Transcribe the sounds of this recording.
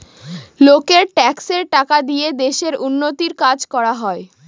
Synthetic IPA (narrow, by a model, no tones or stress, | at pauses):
lokeɾʈɛkseɾʈakad̪ied̪eʃeɾunːot̪iɾkad͡ʑkɔɾaɦɔe